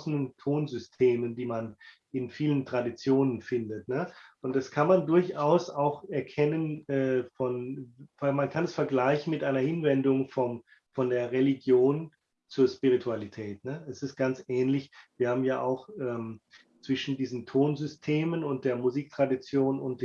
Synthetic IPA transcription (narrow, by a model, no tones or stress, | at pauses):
snəntʰoːnzʏstʰeːməndiːman | ɪnfiːləntʁ̥adit͡sjoːnənfɪndətnəʔʊntd̥askʰanmandʊɐçʔaʊsaʊxɛɐkʰɛnənɛːfɔn | mankʰanɛsfɛɐɡlaɪçn̩mɪtʔaɪnɐhɪnvɛndʊŋfɔm | fɔndeːɐʁeliɡjoːn | t͡suːɐʃpiʁ̞itʰualitʰɛːtnəɛsɪst̚ɡ̥ant͡sʔɛːnlɪçviːɐhaːbm̩jaːʔa̰ʊxʔɛːm | t͡sv̥ɪʃn̩diːzn̩tʰoːnzʏstʰeːmənʊnt̚d̥eːɐmuziːk̚tʁ̥adit͡sjoːnʊ̰nt̚d̥ː